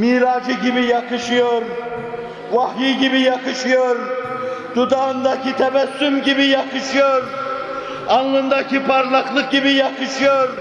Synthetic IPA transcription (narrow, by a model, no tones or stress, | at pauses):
miɾɑːd͡ʒɨɡʲibɪjɑqɨʃijoɾ | wɑhjiɡʲibɪjɑqɨʃijoɾd̪ud̪ɑːnd̪ɑkʲit̪ʰɛmɛsːymɡʲibɪjɑqɨʃijoɾ | ɑŋlˠɨnd̪ɑkʲʰipʰɑɾlˠɑχlˠɨq̚ɡʲibɪjɑqɨʃijoɾ